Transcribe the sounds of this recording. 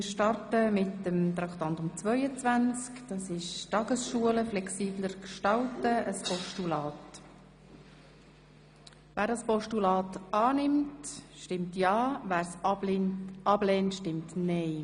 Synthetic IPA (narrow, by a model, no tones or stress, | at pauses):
ɾʃtɑrtəmɪtəmt̪ɾɑkt̪ɑntʊmt͡svœʏət͡svænt͡skd̥ɑsɪʃtɑːɡ̥əsʃuələflɛksiːbləɾkʃtɑltəəspɔʃtulɑːt | væːɾdɑspɔʃtulɑːtɑːnɪmtʃtɪmtjɑːvæːɾs | ʔɑblɛːntʃtɪmtnɛɪ